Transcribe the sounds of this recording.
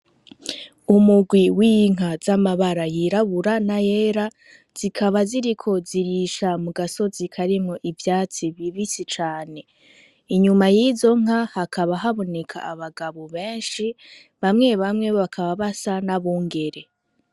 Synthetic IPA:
umuɡwiwiŋ̥ɦazamaβaɾajiɾaβuɾanaje̞ːɾa | z̥ikʰaβaziɾikʰo̞ziɾiʃamuɡaso̞zikʰaɾimŋo̞ʔivjaːt͡siβiβisit͡ʃaːne̞ | iɲumajiːzo̞ŋ̥ahakʰaβaɦaβo̞ne̞kʰa̰ːβaɡaβoβe̞ːnʃi | βamŋe̞βamŋe̞βoβakʰaβaβasanaβuːŋɡe̞ɾe̞

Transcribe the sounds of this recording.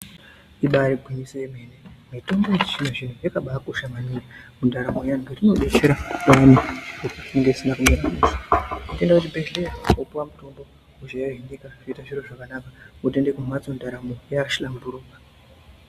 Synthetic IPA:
iɓaɾiɡʱwiɲisejemenemito̞mbo̞ʐineʐin̤ujekaɓakuʃamaninemundʱaɾamojaŋɡerino̞ɗe̞t͡ʃeɾatoaniʐirupoiŋɡeisinakumiɾamuːsoute̞ndakutibʱe̞ɮe̞raopuwamuto̞mbo̞ | uʒaeɦinikaʐiitaʐiroʐakanakaute̞ndekumwat͡sondʱaɾamojaʃilambuɾuːka

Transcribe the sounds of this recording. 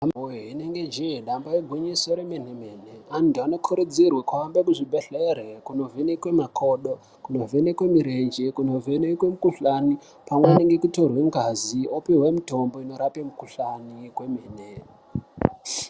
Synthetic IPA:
amoeɦineŋɡed͡ʒejeɗambajeɡʱweɲisoɾemenemeːneandiano̞kʰuɾud͡zirwekwambekuʐibʱeɬerekuno̞venekwe̞makʰo̞ɗo | kuno̞venekwe̞miɾend͡ʒekuno̞venekwemukuɬani | pamweneŋɡekuto̞rweŋɡaziopiɦwemitombo̞ino̞ɾapemukuɬanikwe̞meːne

